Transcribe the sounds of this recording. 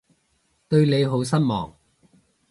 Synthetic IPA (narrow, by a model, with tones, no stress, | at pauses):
t̪ɵ˧ɥle˨˧jɦo˨˥wsɐ˥n̚mɔ̰ː˨˩ŋ